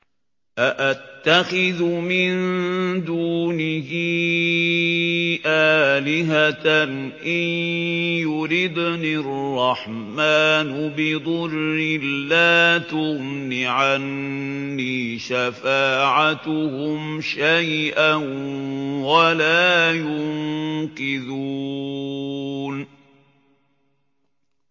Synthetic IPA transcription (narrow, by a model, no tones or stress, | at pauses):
ʔaʔat̪ːaxɪðʊmɪnd̪uːnɪhiː | ʔaːlɪɦat̪nʔɪnjʊɾɪd̪nirrˤːɑħ | maːnʊbɪd̪ˤʊrːɪlːaːt̪ʊɣnɪʕanː | iːʃafaːʕat̪ʊhʊmʃajʔan | walaːjʊŋŋqɪðuː | n